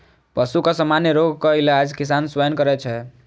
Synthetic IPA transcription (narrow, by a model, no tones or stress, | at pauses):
pəsukasəmanjeɾoɡkɔilad͡ʒkis̬answəjənkʌɾɛt͡ʃʰɛ